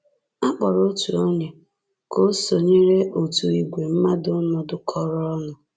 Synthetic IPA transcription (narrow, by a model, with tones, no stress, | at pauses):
a˦k͡pɔ˨ɾo˦tu˨o˦ɲe˨ | ko˦so˨ɲe˦ɾe˦ʔo˨tu˨i˨ɡʷe˨m̩˦ma˦dʊ˦nɔ˨dʊ˦kʰɔ˦ɾɔ˦nʊ˨